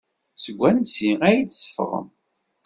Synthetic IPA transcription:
səɡʷːænsiæjit͡ssə̥fə̰ʁə̰m

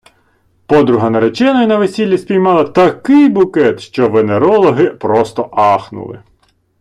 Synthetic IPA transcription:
pɔd̪ɾʊɦɐnɐɾet͡ʃɛnɔjinɐʋesʲilʲːisʲpʲijmɑlˠɐt̪ɐkɪjbʊkɛt̪ʃt͡ʃɔʋeneɾɔlˠɔɦɪpɾɔst̪ɔʔɑxnʊ̰lˠɪ̰

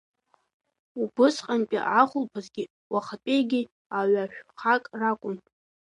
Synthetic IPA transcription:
ubɨsqʼanpʼḭʕaχʷʊlpʰazɡʲɪ | waχapʼejɡʲi | aɥaʃᶣχakʼrakʷʼʊn

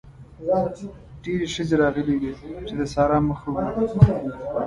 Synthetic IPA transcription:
ɖeɾeʃəzeɾɑɣəled̪it͡ʃed̪əsɑɾɑməxaw

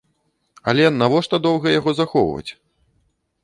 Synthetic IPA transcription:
ɐlʲɛnavɔʂt̪ɐd̪ɔwɣɐjaɣɔzaxɔwvɐ̰t͡sʲ

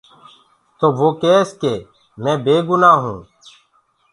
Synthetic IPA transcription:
t̪oːʋoːkeːskeː | mɛ̃ːbeːɡʊnaːɦũː

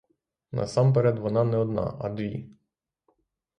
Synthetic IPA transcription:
nɐ̰sɑmpeɾʲɛd̪ʋɔnɑnɛɔd̪nɑ̰ʔɐd̪ʋʲi

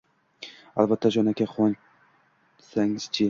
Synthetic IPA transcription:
a̰lˠbat̪ʰːad͡ʒɒnakʲʰaχɒn | saŋz̥t͡ʃʰɪ

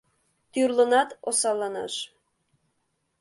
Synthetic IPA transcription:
t̪yrlˠɤ̆nɑt̪osɑlˠːɑnɑ̰ʃ

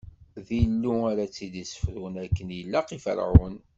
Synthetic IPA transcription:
ðilːuaɾat͡sːid̪isə̥fɾunækːənjəlːæqifə̰ɾʕʊ̰n

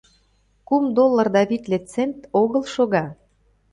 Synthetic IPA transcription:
kumd̪olːərd̪ɑβit̪let͡sent̪oɣəlʃoɣɑ

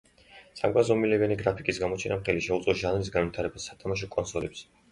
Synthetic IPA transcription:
sa̰ɡazɔmilɛvɛniɡɾapʰikʼisɡamɔt͡ʃʰɛnamχɛliʃɛut̪ʼqʼɔʒanɾis̬ɡanvit̪ʰaɾɛbasːat̪ʰamaʃ̬ɔkʼɔnsɔlɛps

